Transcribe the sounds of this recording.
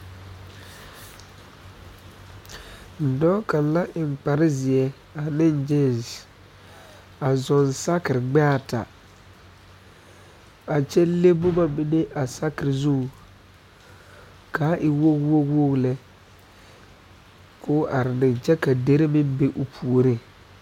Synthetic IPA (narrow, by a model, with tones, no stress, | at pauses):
n̩˨dɔ˦ka˨nla˦ʔɪ˨ŋ͡mk͡pa˨ɾɪ˦zɪ˨ɛ˦ | a˨nɪ˦nd͡ʒɪ˦˨n˨z | a˨zɔ˨nsa˦kɪ˨ɾɪ˨ɡ͡ba˦˨tʰa̰˨ | a˨t͡ʃɛ˦le˦bʊ˦ma˦mɪ˦ne˦ʔa˨sa˦kɪ˨ɾɪ˨zu˦ŋ˨ | ka˨˦ʔɪ˨wo˦kwo˦ɡwo˦ɡlɛ˨ | kʊː˦ʔa˨ɾɪ˨nɪ̃˨nt͡ʃɛ˦ka˨de˦ɾɪ˦mɪ˦m˦be˦ʔʊ˨pʰu˨o˨ɾi˦